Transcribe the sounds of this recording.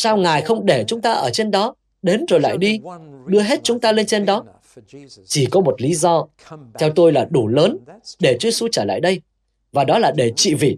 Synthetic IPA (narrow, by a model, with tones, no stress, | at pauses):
saː˧wŋaː˨˩jxə˧wŋ͡mɗe˧˩t͡ɕʊ˨˦ŋ͡mt̪aː˧ʔəː˧˩t͡ɕe˧nɗɔ˨˦ | ɗe˨˦nzo˨˩jla̰ː˧˨jɗi˧ɗɨ˧əɦe˦˥t̚t͡ɕʊ˨˦ŋ͡mt̪aː˧le˧nt͡ɕe˧nɗɔ˨˦ | t͡ɕi˧˩kɔ˨˦mo˨˩t̚li˨˦zɔ˧ | t̪ʰɛ˧wt̪o˧jlaː˨˩ɗu˧˩ləː˨˦nɗe˧˩t͡ɕi˧əsu˧t͡ɕəː˧˩la̰ː˧˨jɗə˧j | vaː˨˩ɗɔ˨˦laː˨˩ɗe˧˩t͡ɕḭ˧˨vḭ˧˨